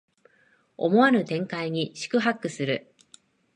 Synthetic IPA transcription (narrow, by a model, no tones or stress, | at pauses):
o̞̰mo̞aɾɯ̟t̪ẽ̞ŋkaiɲ̟iɕi̥kɯ̟ɦakːɯ̟sɨɾɯ̟